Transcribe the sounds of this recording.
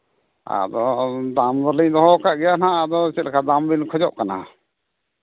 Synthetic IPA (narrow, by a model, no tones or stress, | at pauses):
a̰d̪ɔd̪amzɔlid̪ɔɦɔkaʔɡɛjanaad̪ɔsɛt̪lɛkʰad̪ambinkʰɔd͡ʒɔʔkana̰